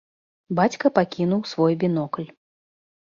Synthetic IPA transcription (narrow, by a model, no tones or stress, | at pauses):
bat͡sʲkɐpakʲinuwsvɔjbʲinɔklʲ